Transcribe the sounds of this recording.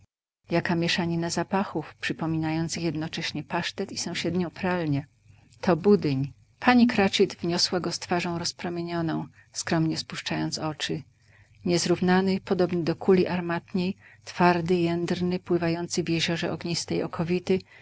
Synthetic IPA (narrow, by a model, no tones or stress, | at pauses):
jakamʲjɛʂaɲɛnazapaxufpʂɘpɔmʲinajɔnt̪sɘxjɛd̪nɔt͡ʂɛɕɲɛpaʂt̪ɛt̪isɔ̃w̃ɕɛd̪ɲɔ̃w̃pɾalɲɛ | t̪ʰɔbud̪ɘɲ | pʰaɲikɾat͡ʂid̪vɲɔswaɡɔst̪faʐɔ̃w̃ɾɔspɾɔmʲjeɲɔnɔ̃w̃ | skɾɔmɲɛspuʂt͡ʂajɔnt̪sɔt͡ʂɘ | ɲɛzɾuvnanɘpɔd̪ɔbnɘd̪ɔkʰulʲiʔaɾmat̪ɲejt̪faɾd̪ɘjɛnd̪ɾnɘpwɘvajɔnt̪sɘvʲjɛʑɔʐɛ̰ʔɔɡɲist̪ɛjɔkʰɔvʲit̪ɘ